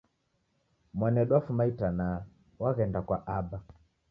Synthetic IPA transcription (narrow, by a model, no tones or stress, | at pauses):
mwanɛɗwafumaitana | waɣɛndakwaʔaba